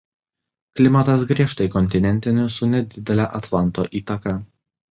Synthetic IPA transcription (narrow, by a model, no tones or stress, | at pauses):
klʲɪmɐt̪ɐsɡɾʲiɛʃt̪ɐɪkɔnʲt̪ʲɪnʲɛnʲt̪ʲɪnʲɪsʊnʲɛd̪ʲɪd̪ʲɛlʲæʔɐt̪lˠɐnˑt̪oːʔiːt̪ɐkɐ